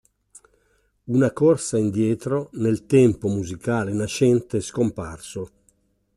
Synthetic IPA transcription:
unakɔrsaind̪jɛːt̪ɾonelt̪ɛmpomuzikaːlenaʃɛnt̪eskomparso

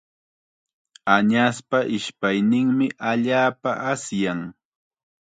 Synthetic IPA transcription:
aɲaspaʔɪʃpajnɪŋmɪʔaʎaːpa̰ʔasjaŋ

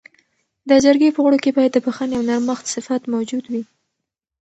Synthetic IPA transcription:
d̪əd͡ʒaɾɡepəɣɽokebɑjat̪əpəxaneawnaɾməxt̪sɪfat̪mawd͡ʒud̪wi

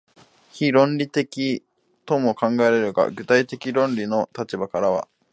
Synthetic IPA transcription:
çiɾõ̞nɾʲit̪e̞kʲi | t̪o̞mo̞kãŋɡaeɾe̞ɾɯ̟ɡa̰ɡɯ̟t̪ait̪e̞kʲiɾõ̞nɾʲino̞t̪at͡ɕibakaɾaβa̰

